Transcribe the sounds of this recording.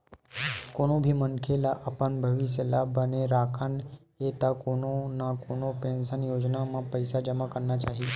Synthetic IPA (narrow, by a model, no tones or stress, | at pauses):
konõbʱiːmənkʰelaʔəpənbʱəʋisəlabəneɾakʰanjet̪akonõnakonopẽnsənjoːd͡ʒnamãpəjsad͡ʒəmakəɾnat͡ʃaɦi